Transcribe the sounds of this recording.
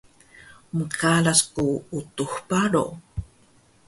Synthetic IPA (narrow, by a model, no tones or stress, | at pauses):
məkʰalaskuut̪uxpaɾo̰